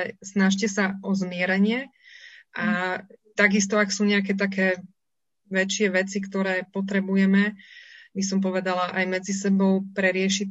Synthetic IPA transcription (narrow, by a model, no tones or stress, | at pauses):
ɛsnaʃ̬cɛsaʔɔzmɪɛɾɛɲɪɛ | ʔat̪aɡist̪ɔaksuːɲɛak̬ɛːt̪akɛː | ʋɛt͡ʃɪɛʋɛt͡sikt̪ɔɾɛːpɔt̪ɾɛbujɛmɛbisɔmpɔʋɛd̪alaʔajmɛd͡zisɛbɔʊpɾɛɾɪɛʃi